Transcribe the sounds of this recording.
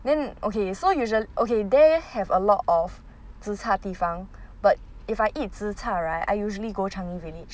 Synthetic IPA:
d̪ɛ̃nʔokʰesojuʒəliʔokʰed̪ehɛvəlɔtɔf | t͡sɹ̩t͡sʰat̪ifãŋb̥at̚ɪfaɪʔit̚t͡s̩t͡sʰaɹaɪta̰ɪjuʒəliɡot͡ʃʰãŋivilid͡ʒ

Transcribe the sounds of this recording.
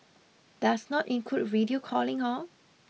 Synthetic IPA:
d̥asnɔtĩnkʰut̚ɹidiokʰɔlɪ̃ŋɔ

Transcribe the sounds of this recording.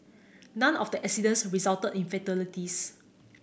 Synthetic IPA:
nãnɔfdəʔɛksidə̃nsɹizaltədĩnfɛtɛlitis

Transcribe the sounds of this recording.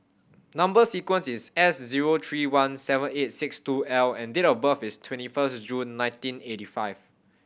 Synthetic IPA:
nãmbəsikwə̃nsisɛsziɹot̪ʰɹiwãnsɛvə̃net̚sɪkstuɛlɛ̃ndeɾɔfbəfɪstʰwɛ̃ntifəsd͡ʒũnːãɪ̃ntĩnetifaɪv̥

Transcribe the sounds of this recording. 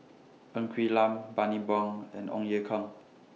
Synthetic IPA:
ʔə̃ŋkʰwilãmbanibɔŋɛ̰̃nɔ̰̃ŋjekʰɔŋ

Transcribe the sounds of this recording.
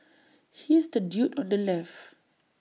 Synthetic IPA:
hisdədjutɔ̃ndəlɛf

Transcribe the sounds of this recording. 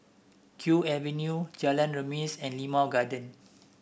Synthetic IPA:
kʰjuɛvɛ̃njud͡ʒalə̃nɹəmisɛ̃nlimaɡadə̃n

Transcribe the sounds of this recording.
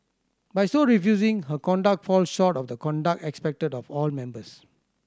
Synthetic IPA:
bajsoɹifjuzĩŋɦəkɔ̃ndak̚fɔlʃɔtɔfdəkɔ̃ndak̚ɛkspɛk̚tədɔfɔlmɛ̃mbəs

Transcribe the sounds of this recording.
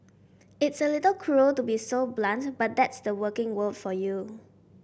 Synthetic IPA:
ɪtsəlɪtəlkʰɹutubisoblãntbat̚d̪ɛtsdəwəkɪ̃ŋwəldfɔju

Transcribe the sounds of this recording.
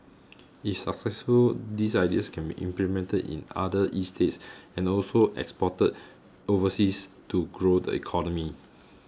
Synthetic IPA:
ifsaksɛsfuldisajdiəskʰɛ̃nbḭʔḭ̃mplimɛ̃ntədḭ̃na̰dəʔistʰetsɛ̃nɔlsoʔɛ̰kspɔtəd̚ | ovəsistuɡɹodə̰ḭkʰɔnɔmi

